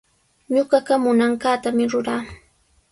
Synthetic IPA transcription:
ɲoɢɑɢamʊnaŋkaːt̪amɪɾʊɾaː

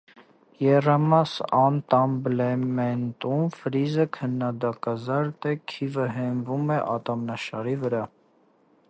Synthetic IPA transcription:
jɛrɑmɑsɑnt̪ɑmblɛmɛnt̪umfɾizəkʰənːɑd̪ɑkɑzɑɾt̪ɛkʰivəɦɛmvumɛʔɑt̪ɑmnɑʃɑɾivəɾɑ

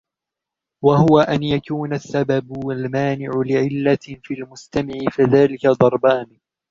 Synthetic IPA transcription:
wahʊwaʔanjakuːnasːababalmaːnɪʕʊlɪʕɪlːafiːalmʊst̪amɪʕɪfaðaːlɪkad̪ˤɑɾˤbaːnɪ

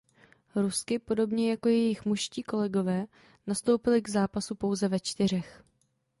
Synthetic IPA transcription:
ɾuskɪpo̞do̞bɲɛjako̞jɛjɪxmuʃsciːko̞lɛɡo̞vɛː | nast̪o̞wpɪlɪɡzaːpasupo̞wzɛvɛt͡ʃt̪ɪr̝ɛx

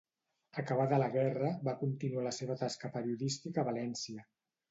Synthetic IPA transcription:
əkəβ̞aðələɣɛrəβakunt̪inualəseβət̪askəpəɾiuðist̪ikəːβalɛnsiə

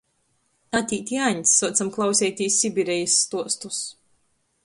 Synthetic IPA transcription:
at̪ʲiːt̪ʲjaɲsːuɔt̪samklˠawsʲɛːjt̪ʲiːsʲːibʲiɾɛjasːt̪uɔst̪us

